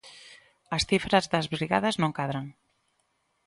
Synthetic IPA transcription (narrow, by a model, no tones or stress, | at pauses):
ɐsθifɾazðɐzβɾiɣaðɐznõŋkaðɾaŋ